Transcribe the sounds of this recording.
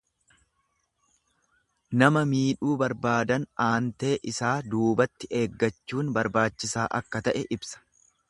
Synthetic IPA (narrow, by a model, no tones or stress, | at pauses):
nɐmɐmiːᶑuːbɐɾbaːd̪ɐnʔaːnt̪e̞ːʔɪsaːd̪uːbɐt̪ːɪʔe̞ːɡːɐt͡ʃːuːnbɐɾbaːt͡ʃːɪsaːʔɐkːɐt̪ɐʔɛʔɪbsɐ̥